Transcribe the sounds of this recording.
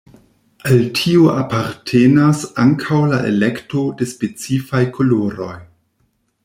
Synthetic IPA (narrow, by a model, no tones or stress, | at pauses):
altʰioʔapaɾtʰenasaŋkʰawlaʔḛlekto̞de̞spet͡sifajkʰoloɾo̞̰j